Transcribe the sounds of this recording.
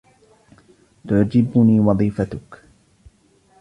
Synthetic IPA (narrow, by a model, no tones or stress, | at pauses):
t̪ʊʕd͡ʒɪbʊniːwɑðˤiːfat̪ʊk